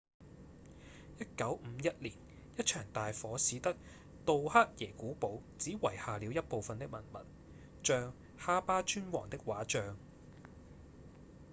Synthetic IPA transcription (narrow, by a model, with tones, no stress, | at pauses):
jɐ˥t̚kɐ˨˥wm̩˨˧jɐ˥t̚liː˨˩n | jɐ˥t̚t͡ʃʰœː˨˩ŋt̪aː˨jfɔː˨˥siː˨˧˥t̪ɐ˥k̚ | t̪o˨whaː˥t̚jɛː˨˩kuː˨˥po˨˥wt͡siː˨˥wɐ˨˩jhaː˨liː˨˧wjɐ˥t̚po˨wfɐ˨nt̪ɪ˥k̚mɐ̰˨˩nmɐ̰˨˩t̚ | t͡ʃœː˧ŋ | haː˥paː˥t͡ʃyː˥nwɔ̰ː˨˩ŋt̪ɪ˥k̚waː˨˥t͡ʃœː˧ŋ